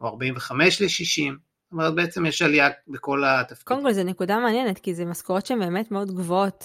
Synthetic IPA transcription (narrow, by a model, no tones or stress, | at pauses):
oaʁbaimveχameʃleʃiʃim | t̪omeʁet̪̚beet͡semjeʃaliabeko̞lat̪afkodmkolzenekudameanjenet̪kizemaskoʁo̞tʃeembe̞ːme̞tmeo̞dɡvoot̪